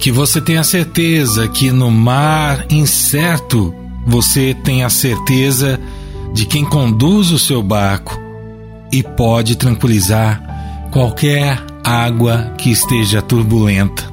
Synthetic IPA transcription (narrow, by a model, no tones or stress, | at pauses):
kɪvoset̪ẽj̃ɐseɾt̪ezɐkʰɪnʊmaɾĩsɛɾt̪ʊ | voset̪ẽj̃ɐseɾt̪ezɐ | d͡ʒɪkẽj̃kõnd̪uzʊsewbaɾkʊ̥ | ɪpɔd͡ʒɪt̪ɾɐ̃ŋkwilizaɾkwawkɛɾ | aɡwɐkɪːst̪eʒɐt̪uɾbulẽnt̪ɐ̥